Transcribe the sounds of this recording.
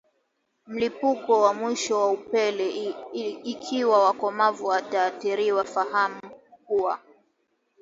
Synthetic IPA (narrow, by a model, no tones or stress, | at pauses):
m̩lipukɔwamwiʃɔwaupɛlɛː | kʰiwawakɔmavuwataːθiɾiwafahamuk̚ua